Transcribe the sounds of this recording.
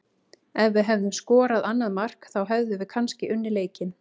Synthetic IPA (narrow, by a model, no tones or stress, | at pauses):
ɛvːʏɦɛvðʏmskɔːɾaðanːaðmar̥kθawɦɛvðʏvɪðkʰanscɪʔʏnːɪɾleːjcɪn